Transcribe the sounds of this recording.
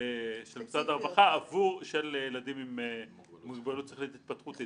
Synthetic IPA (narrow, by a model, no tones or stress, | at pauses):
ʃelmisad̪aʁvaχaːvuʁʃeljelad̪imim | muɡbelut̪t͡seliit̪it̪̚pat̪χut̪